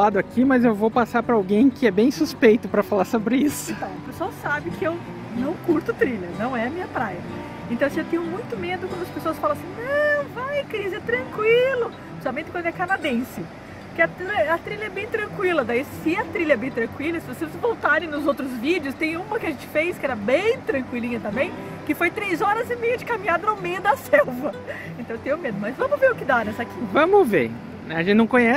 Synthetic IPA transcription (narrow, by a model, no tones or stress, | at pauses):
ad̪ʊakʰimɐzewvowpasaɾpɾɐawɡẽj̃kɪɛbẽj̃suspejt̪ʊpɾɐfalaɾsobɾɪisʊẽt̪ɐ̃w̃ʊpesʊawsabɪkɪew | nɐ̃w̃kuɾt̪ʊt̪ɾiʎɐnɐ̃w̃ɛɐmĩɲɐpɾajɐ | ẽnt̪ɐ̃w̃sewt̪ẽɲʊmũj̃t̪ʊmed̪ʊkwɐ̃nd̪ɐspesoɐsfalɐ̃ɐsĩj̃nɐ̃vajkɾizɪɛt̪ɾɐ̃kwilʊ | sabmẽt̪ɪkɐ̃nd̪ɛkanad̪ẽsɪ | kɪɛt̪ɾɐ̃ɐt̪ɾiʎɐɛbẽj̃t̪ɾɐ̃kwilɐd̪aisɪɐt̪ɾiʎɐɛbẽj̃t̪ɾɐ̃ŋkwilɐsɪvosezvowt̪aɾẽj̃nʊzowt̪ɾʊzvid͡ʒɪʊst̪ẽj̃ũmɐkɪɐʒẽnt͡ʃɪ̥fejskɪɛɾɐbẽj̃t̪ɾɐ̃ŋkwilĩɲɐt̪ɐ̃mbẽj̃ | kɪfojt̪ɾejzɔɾɐzɪmejʊd͡ʒɪkamĩɲad̪ɐnʊmejɐd̪ɐsɛwvɐ | ẽnt̪ɐ̃w̃t̪ẽj̃ʊmed̪ʊmɐzvɐ̃mʊveɾʊkɪd̪anɛsɐkivɐ̃mʊvḛ | ɛɐʒẽtt͡ʃnɐ̃kõɲɛ